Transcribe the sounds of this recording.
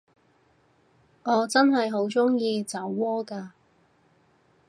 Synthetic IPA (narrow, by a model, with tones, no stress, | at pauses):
ŋɔː˨˧t͡sɐ˥nɦɐ˨jɦo˨˥wt͡sʊ˥ŋjiː˧t͡sɐ˨˥wːɔː˥kaː˧